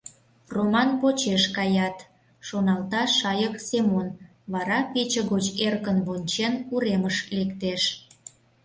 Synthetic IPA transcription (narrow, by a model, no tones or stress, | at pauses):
romɑnpot͡ɕeʃkɑjɑt̪ | ʃonɑlt̪ɑʃɑjəksemon | βɑɾɑpʲet͡ɕəɣot͡ɕerkənβonʲt͡ɕenuɾeməʃlekt̪eʃ